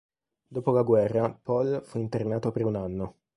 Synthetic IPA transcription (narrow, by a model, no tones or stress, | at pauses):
d̪oːpolaɡwɛrːapɔlfuint̪ernaːt̪opeɾunanːo